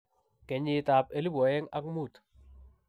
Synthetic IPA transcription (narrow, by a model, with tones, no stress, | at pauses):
kɛ˨ɲi˨ta˨pe˨li˦bɔ˨jɛ˦ŋa̰˦kmu˦˨t